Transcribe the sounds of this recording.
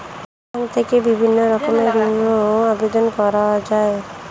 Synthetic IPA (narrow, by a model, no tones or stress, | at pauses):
ant̪ʰekebibʱinːɔɾɔkɔmeɾinoabed̪ɔnkɔɾad͡ʒae